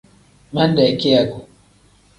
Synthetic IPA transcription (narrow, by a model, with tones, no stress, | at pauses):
mɐ˦nda˨kʲe˦ja˨ɡu˨